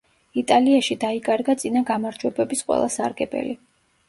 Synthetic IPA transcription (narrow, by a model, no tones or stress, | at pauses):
it̪ʼaliaʃid̪aikʼaɾɡat̪sʼinaɡamaɾd͡ʒwɛbɛbisqʼwɛ̰lˠasa̰ɾɡɛbɛ̰li